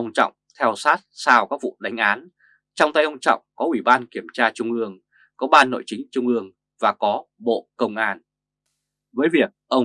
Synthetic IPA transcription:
ʔə˧wŋ͡mt͡ɕɔ̰˧˨wŋ͡mt̪ʰɛ˧wsaː˦˥t̚saː˧wkaː˦˥k̚vṵ˧˨ɗa˨˦jŋ̟ʔaː˨˦n | t͡ɕɔ˧wŋ͡mt̪a˧jʔə˧wŋ͡mt͡ɕɔ̰˧˨wŋ͡mkɔ˨˦ʔwi˧˩ɓaː˧nki˧˩əmt͡ɕaː˧t͡ɕʊ˧ŋ͡mʔɨ˧əŋ | kɔ˨˦ɓaː˧nːo̰˧˨jt͡ɕï˨˦ŋ̟t͡ɕʊ˧ŋ͡mʔɨ˧əŋ | vaː˨˩kɔ˨˦ɓo̰˧˨kə˧wŋ͡mʔaː˧n | vəː˨˦jvi˨˩ək̚ʔə˧wŋ͡m

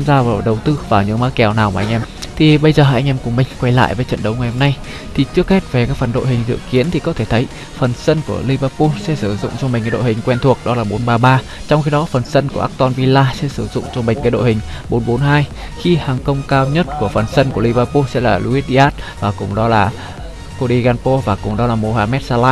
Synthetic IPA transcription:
mzaː˧vaː˨˩ɗə˨˩wt̪ɨ˧vaː˨˩wɲɨ̰˧˥ŋmaː˦˥kɛ˨˩wnaː˨˩wmaː˨˩ʔa˧ŋ̟ʔɛ˧mt̪ʰi˨˩ɓə˧jzəː˨˩a˨˧˩ʔa˧ŋ̟ʔɛ˧mkʊ˨˩mï˨˩ŋ̟kwa˧jla̰ː˧˨jvəː˨˦jt͡ɕə̰˧˨nɗə˨˦wŋa˨˩jho˧mna˧j | t̪ʰi˨˩t͡ɕɨ˦˥ək̚he˦˥t̚ve˨˩kaː˦˥k̚fə˨˩nɗo̰˧˨jɦï˨˩ŋ̟zɨ̰˧˨ki˨˦ənt̪ʰi˨˩kɔ˨˦t̪ʰe˧˩t̪ʰə˨˦j | fə˨˩nsə˧nku˧˩əli˧vəː˧pu˧sɛ̰˧˥sɨ˧˩zʊ̰˧˨ŋ͡mt͡ɕɔ˧ma̟˨˩kaː˨˦jɗo̰˧˨hï˨˩ŋ̟kwɛ˧nt̪ʰu˨˩ək̚ɗɔ˨˦laː˨˩ɓo˨˦nɓaː˧ɓaː˧ | t͡ɕɔ˧wŋ͡mxi˧ɗɔ˨˦fə˨˩nsə˧nku˧˩əʔaː˦˥k̚t̪ɔ˧nvi˧laː˧sɛ̰˧˥sɨ˧˩zʊ̰˧˨ŋ͡mt͡ɕɔ˧mi˨˩ŋ̟kaː˨˦ɗo̰˧˨hï˨˩ŋ̟ɓo˨˦nɓo˨˦nɦaː˧j | xi˧haː˨˩ŋkə˧wŋ͡mkaː˧wɲə˦˥t̚ku˧˩əfə˨˩nsə˧nku˧˩li˧vəː˧pu˧sɛ̰˧˥laː˨˩lu˧i˦˥t̚ɗi˧ʔaː˦˥t̚vaː˨˩kʊ̰˨˩ŋ͡mɗɔ˨˦laː˨˩ | ko˧ɗi˧ɣaː˧npo˧vaː˨˩kʊ˨˩ŋ͡mɗɔ˨˦laː˨˩mo˧haː˧mɛ˦˥t̚saː˧laː˦˥

